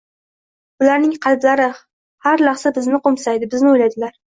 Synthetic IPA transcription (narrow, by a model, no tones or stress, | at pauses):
ʊlaɾnɪŋqʰɑlblaɾɪ | haɾlaχsabɪznɪqomsajd̪ɪbɪznɪojlajd̪ɪlaɾ